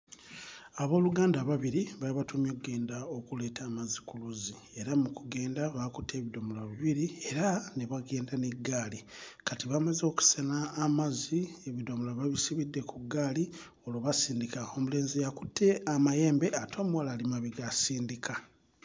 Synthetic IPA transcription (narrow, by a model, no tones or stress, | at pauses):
aβo̞ːluɡaːndaβaβiɾiβaliβatʰumjokuɡe̞ːndao̞kule̞ːtʰaːmazikuluzi | e̞ɾamukuɡe̞ːndaβakutʰːe̞ːβido̞mulaβiβiɾie̞ɾaneβaɡe̞ːndaneɡːaːlikatiβamazo̞ku̥senaːmazieβidomulaβaβisiβidːe̞kʰuɡaːli | o̞loβasiːndikao̞mule̞ːnzijaku̥tʰːe̞amaje̞ːmbe̞atʰo̞ːmuwalalimaβiɡasiːndika